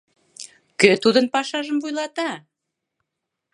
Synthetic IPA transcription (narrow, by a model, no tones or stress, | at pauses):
køt̪ud̪ənpɑʃɑʒəmvujlɑt̪ɑ